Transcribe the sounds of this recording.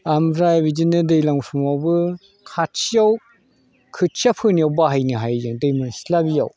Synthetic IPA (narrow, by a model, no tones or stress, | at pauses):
amɾajabid͡ʒinɯdejlaŋsʰumawbɯ | kʰatsijaw | kʰɯtt͡ʃiapʰɯnijawbaɦajniɦajzɯdejmɯnsi̥labija̰w